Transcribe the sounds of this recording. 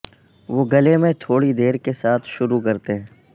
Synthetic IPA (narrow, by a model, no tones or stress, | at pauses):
ʋoːɡɐlemẽt̪ʰoːɽid̪eːɾkesaːt̪ʰʃʊɾukɐɾt̪eɦɛ̃ː